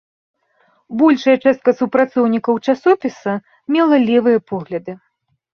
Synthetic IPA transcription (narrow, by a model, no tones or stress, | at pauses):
bɔlʲʂɐjɐt͡ʂɛst̪̚kɐsupɾat̪sɔwnʲikɐwt͡ʂasɔpʲisɐ | mʲɛlˠɐlʲɛvɨjɐpɔɣlʲɐd̪ɨ